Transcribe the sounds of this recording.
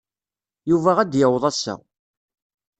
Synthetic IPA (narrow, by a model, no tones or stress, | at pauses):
juvæʁæd̪jəwðˤæsːæ̰